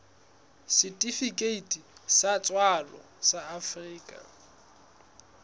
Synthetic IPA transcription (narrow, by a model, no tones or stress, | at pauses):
sitʼifikʼeitʼisat͡sʼwalɔ̰ | saːfriːkʼa̰